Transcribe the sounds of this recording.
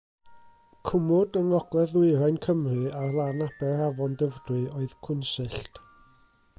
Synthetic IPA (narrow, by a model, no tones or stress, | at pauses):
kʰʊmʊdənˠɔɡlˠɛðɪɨɾajnkʰəmrɨarlˠanab̥ɛravɔndəvdrwɨoːɨð̥kʰʊnsɨɬt